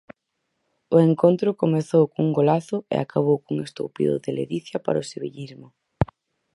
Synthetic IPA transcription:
ʊeŋkont̪ɾʊkomeθowkuŋɡolaθʊḛa̰kaβ̞owkuŋest̪o̰wpḭðʊ̰ðeleðiθjapa̰ɾʊseβḛʎizmʊ

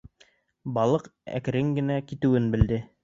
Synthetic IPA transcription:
bɑlˠɤqæ̰kɘ̆ɾɘŋɡɘ̆nækit̪ɘ̆wɘnbɘ̆ld̪ɘ

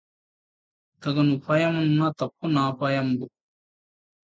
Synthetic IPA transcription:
t̪ɐɡɐnupʰɐjɐmɐnːat̪ɐp̚ʰːunaːpɐjɐmbu

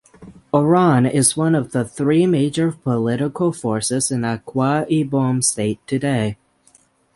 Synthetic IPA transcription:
ə˞ɑ̃nɪzwʌ̃nʌvðəθɹimeɪd͡ʒə˞pʰəlɪɾəkl̩ˠfɔɹsɪzɨ̃nəkʰw̥ɑibõmsteɪtʰɨdeɪ

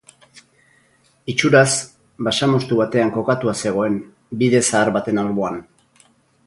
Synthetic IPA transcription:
it͡ʃuɾas | baʃamo̞st̪uβat̪e̞aŋko̞kat̪uase̞ɣ̞o̞e̞m | biðe̞saːɾβat̪e̞nalβoan

